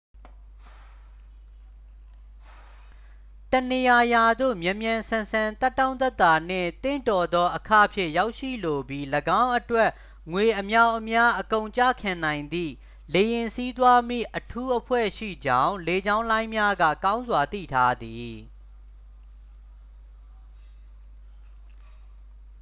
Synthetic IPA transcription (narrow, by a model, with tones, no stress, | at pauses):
tə˨ne˨ja˨ja˨d̪o̰˦˨mjɛ̃˨mjã˨nsʰã˨nsʰã˨nt̪ɛ˦tːã˦ʊ̃t̪ɛ˦t̪ːa˨n̥ɪ̰̃˦˨t̪ɪ̰̃˦˨ntɔ˨d̪ɔ˦ʔəkʰä̰˦˨pʰjɪ̰̃˦˨ja˦ʊʔʃḭ˦˨lo˨bji˦ləɡã˦ʊ̃ʔətwɛ˦ʔ | ŋwe˨ʔəmja˦ʊʔəmja˦ʔəkõ˨ʊ̃ɲt͡ɕä̰˦˨kʰã˨nã˨ɪ̃nd̪ḭ˦˨ | le˨jɪ̃˨nsi˦t̪wa˦mḭ˦˨ʔətʰu˦ʔəpʰwɛ̰˦˨ʃḭ˦˨d͡ʑã˦˨ʊ̃le˨d͡ʑã˦ʊ̃lã˦ɪ̃mja˦ɡä̰˦˨kã˦ʊ̃nzwa˨t̪ḭ˦˨tʰa˦d̪i˨